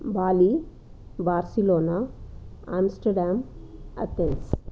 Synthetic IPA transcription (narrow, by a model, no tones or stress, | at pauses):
baːli | baːɾsiloːna | aːmsʈɐɾɖaːmɐ̰t̪els